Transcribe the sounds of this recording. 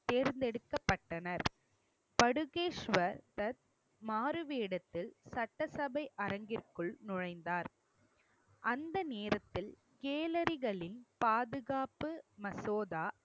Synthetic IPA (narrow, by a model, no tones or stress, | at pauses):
t̪eːɾnd̪ɛɽɯkːɐpːɐʈːɐnɐɾ | pɐɽɯɣeːʂʋɐɾt̪ɐt̪̚ | maːɾɯʋeːɽɐt̪ːɪlsɐʈːɐsɐbɐɪʔɐɾɐŋɡɪrkɯɭnʊɻɐɪnd̪aːɾ | ʔɐnd̪ɐneːɾɐt̪ːɪl | keːlɐɾɪɣɐɭɪnpaːðɯɣaːpːɯmɐsoːðaː